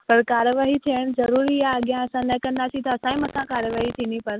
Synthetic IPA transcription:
pɐɾkaːɾjəʋaːɦit̪ʰijəɽ̃zɐɾuːɾiaːɠɪjãɐsãnɐkɐ̃nd̪aːsit̪ʰɐːsãːĩmɐsãkaːɾjəʋaːɦit̪ʰĩːnd̪ipɐɾ

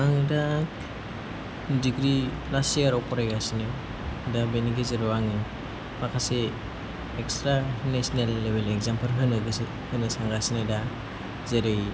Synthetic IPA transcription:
aŋɯda | diɡɾiplasiaɾɔpɔɾajasine | dabeniɡezeɾɔwaŋɯ | makʰase | ekstɾanesnelːebeleɡzampɯɾɦɯnɯɡɯ | hɯnɯsaŋɡasineda | zeɾɯj

